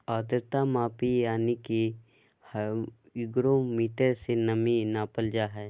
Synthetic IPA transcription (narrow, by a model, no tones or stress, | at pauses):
aːd̪əɾt̪amaːpijaːnike | h | ɪɡɾomiːʈəɾsenəminaːpəld͡ʒaɦɛː